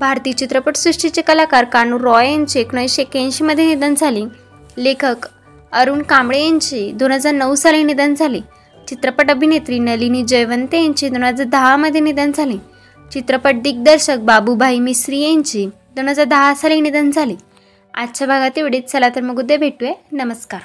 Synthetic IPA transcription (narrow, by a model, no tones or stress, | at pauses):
bʱaɾt̪iːt͡ɕit̪ɾəpəʈsɾuʂʈit͡ɕekəlakaɾkanuɾɔjaɲt͡ɕieknəiɕekãɲɕiməd̪ʱjenid̪ənd͡zʱaliː | lekʰək | əɾuːɳkamɽejaɲt͡ɕid̪on̤əd͡zaɾnəʋsalĩnid̪ənd͡zʱali | t͡ɕit̪ɾəpəʈəbʱinet̪ɾiːnəlinid͡ʑəjʋənt̪ejaɲt͡ɕiːd̪on̤ad͡zad̪ʱaɦaməd̪ʱjenid̪ənd͡zʱalĩː | t͡ɕit̪ɾəpəʈ̚d̪iːk̚d̪əɾɕək̚babubʱaimisɾijẽɲt͡ɕi | d̪on̤əd͡zad̪ʱaɦasalinid̪ənd͡zʱaliː | at̪ːɕʰabʱaɡat̪iʋeɽiːt̪̚d͡zʱalat̪əɾməɡud̪ebʱeʈujenəməskaɾ